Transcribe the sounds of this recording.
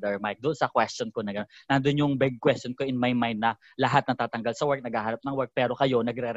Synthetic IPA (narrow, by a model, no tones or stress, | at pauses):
d̪ɛɹmajk̚d̪ʊʔnsɐkwɛst̪jonkonɐŋɡɐnonnɐnd̪onjʊŋbɛɡ̚kwɛst̪jonkoʔɪnmɐjmajnd̪̚nɐ | lɐɦat̪̚nɐt̪aːt̪ɐŋɡalsɐwɛɹk̚nɐɡhaːhaːnɐp̚nɐŋwɛɹk̚pɛːɾo̞kɐjo̞nɐɡɾɛɾ